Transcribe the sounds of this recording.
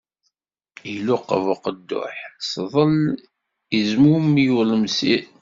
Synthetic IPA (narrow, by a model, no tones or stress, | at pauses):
ilʊqːə̰vʊqəd̪ːʊ̰ħsðˤəl | izmumijuləmsi